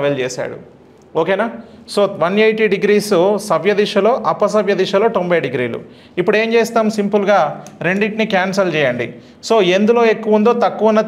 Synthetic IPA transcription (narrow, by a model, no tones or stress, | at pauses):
ʋɐlt͡ʃeːsa̰ːɽṵ | oːkeːnaːsoːt̪ʋɐnejʈiɖiɡɾiːssɐʋjɐd̪iʂɐlo̞ːʔɐpːɐs̬ɐʋjɐd̪iʂɐlo̞ːt̪ombɐjɖiɡɾiːlṵ | ipːuɽe̞ːmt͡ʃeːst̪aːmsimpulɡaːɾeɳɖiʈnikaːnsɐlt͡ʃɛːjɐɳɖḭ | so̞ːe̞nd̪ulo̞ːe̞kːuʋɐund̪o̞ːt̪ɐkːuʋɐnːɐ